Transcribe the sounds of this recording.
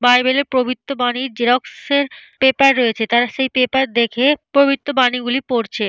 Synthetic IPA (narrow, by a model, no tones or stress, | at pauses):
bajbeleɾpɾobʱit̪ːobaniɾd͡ʑeɾɔkseɾpepaɾːojet͡ɕʰet̪aɾaʃejpepaɾd̪ekʰepɾobʱit̪ːobaniɡulipoɾt͡ɕʰe